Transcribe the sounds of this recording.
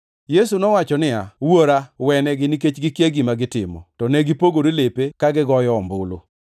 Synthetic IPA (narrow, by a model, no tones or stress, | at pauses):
jesunɔwat͡ʃɔnɪa̰woɾawɛnɛɡɪniket͡ʃɡɪkjeɡimaɡɪtɪmɔ̰tɔnɛɡipoɡoɾelepekaɡɪɡɔjɔːmbʊlo̰